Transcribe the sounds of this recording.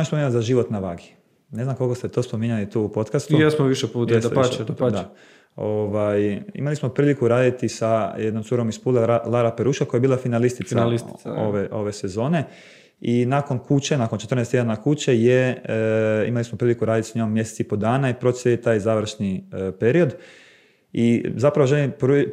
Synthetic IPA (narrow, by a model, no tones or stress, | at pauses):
ospoiɲalzaʒiʋo̞t̪naʋaɡi | neznamkolkost̪et̪o̞spo̞miɲalit̪uːupo̞t̪kast̪ujesmoʋiʃɛputj̪esʃd̪a | oʋajḭmalismo̞pɾiːlikuɾaːd̪it̪isajed̪nomt̪uɾomispuːlealˠaɾapeɾuːʃakojajebiːlˠafinalist̪it̪saliso̰ʋeʔo̞ʋe̞se̞zo̞ːne̞ | inako̞nkut͡ɕe̞nakont͡ʃet̪ɾrnest̪jed̪anakut͡ɕeje | ḭmalismopɾilikuɾaːd̪it̪i̥sɲomːje̞set̪sipo̞d̪aːnaipɾosʲeet̪aːjzaʋɾ̩ʃnipe̞ɾio̞d̪ | izapɾaʋo̞ʒelimpɾu